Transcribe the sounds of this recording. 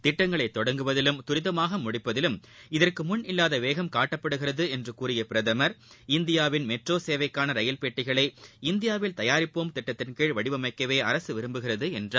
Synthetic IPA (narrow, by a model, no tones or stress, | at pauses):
t̪ɪʈːɐŋɡɐɭɐɪt̪ːɔɽɐŋɡɯʋɐðɪlɯmt̪ʊɾɪðɐmaːɣɐmʊɽɪpːɐðɪlɯmɪðɐrkɯmʊnɪlːaːðɐʋeːɣɐmkaːʈːɐpːɐɽɯɣɪrɐðɯɛndrɯkuːrɪjɐpɪɾɐðɐmɐɾɪnd̪ɪjaːʋɪnmɛʈroːseːʋɐɪkːaːnɐɾɐjɐlpeːʈːɪɣɐɭɐɪɪnd̪ɪjaːʋɪlt̪ɐjaːɾɪpːoːmt̪ɪʈːɐt̪ːɪnkeːɻʋɐɽɪʋɐmɐɪkːɐʋeːɐɾɐsɯʋɪɾɯmbɯɣɪrɐðɯɛndraː